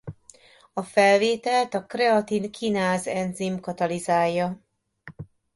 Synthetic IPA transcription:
ɒfɛlveːt̪ɛlt̪ɒkrɛɒt̪inkʰinaːzɛnzimkɒt̪ɒlizaːjːɒ

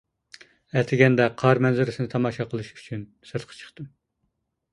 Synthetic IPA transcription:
ɛt̪ʰɪɡʲɛnd̪ɛqʰɑɾmɛnzɪɾɪsɪnɪt̪ʰɑmɑʃɑqʰəlˠɨʃy̥t͡ʃʰyn | sɨɾt̪̚qʰɑ̥t͡ʃʰə̥χt̪ɨm

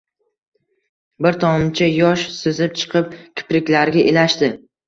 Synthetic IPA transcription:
bɪɾt̪ʰɒmt͡ʃʰajɒʃsɵzɪp̚t͡ʃʰɨ̥qʰɨp̚kʲʰɪ̥pɾɪkʲlaɾɡʲaʔelaʃt̪ɪ

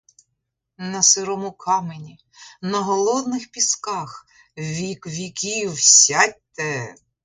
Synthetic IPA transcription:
nɐsɪɾɔmʊkʰɑmenʲi | nɐɦɔlˠɔd̪nɪxpʲiskɑx | ʋʲikʋʲikʲiwsʲat̚ʲt̪ɛ

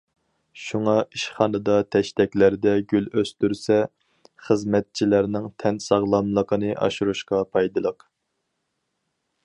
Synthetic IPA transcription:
ʃuŋɑʔiʃχɑnɨd̪ɑt̪ʰɛʃt̪ɛkʲlæɾd̪ɛɡʲyløst̪yɾsɛ | χəzmɛt̪̚t͡ʃʰilæɾnɪŋt̪ʰɛnsɑʁlˠɑmlˠəqənɨʔɑ̰ʃuɾuʃqɑpʰɑjd̪ɨlˠəq

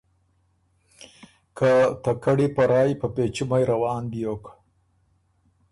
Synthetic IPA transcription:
kʰat̪akaɽipaɾɑːjpəpet͡ʃumajɾawɑːnb̪jok

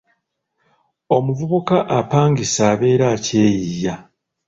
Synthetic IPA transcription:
o̞muvuβukaʔapaːŋɡisaːβe̞ːɾaːce̞ːjija

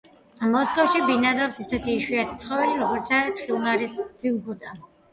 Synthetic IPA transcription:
mɔskɔfʃibinad̪ɾɔpsisɛt̪ʰiːʃwiat̪ʰit̪sʰχɔvɛliɾɔɡɔɾt̪sat̪χilˠnaɾisd̪z̥ilˠbud̪a

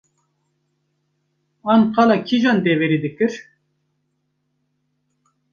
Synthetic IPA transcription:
ɑnqɑlɑkʰiʒɑnd̪evɛɾid̪ɨkɨɾ

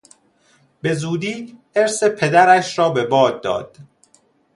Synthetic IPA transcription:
be̞zuːd̪iː | eɾsepʰe̞d̪æɾæʃɾɒːbe̞bɒːd̪̚ːɒ̰ːd̪̥

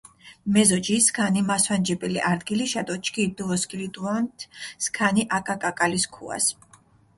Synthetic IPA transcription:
mɛzɔd͡ʒiskʰanimaswand͡ʒɛbʼiliʔaɾd̪ɡiliʃad̪ʼɔt͡ʃʰʼkʰʼid̪uvɔskʼilid̪ʼuant̪ʰskʰaniʔakʼakʼakʼaliskʰṵa̰s

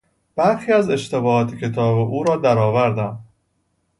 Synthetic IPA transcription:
b̥æɾxiːæze̞ʃt̪e̞bɒːɒːt̪ʰecʰe̞t̪ʰɒːbeʔuːɾɒːd̪æɾɒːvæɾd̪æm

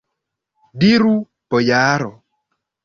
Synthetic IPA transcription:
diɾu | pɔjaːɾɔ

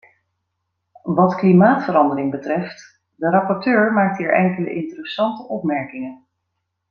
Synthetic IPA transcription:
ʋɑtklimaːtfəɾɑndəɾɪŋbətrɛft | dəɾɑpɔɹtøːɹmaːk̚tɦiːɹʔɛŋkələ̰ʔɪntərəsɑntəʔɔpmɛɹkɪŋən

